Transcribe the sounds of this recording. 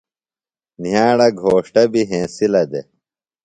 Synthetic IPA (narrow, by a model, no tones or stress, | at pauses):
njaːɽɐɡʱoːʂʈɐbiɦẽːsilɐd̪e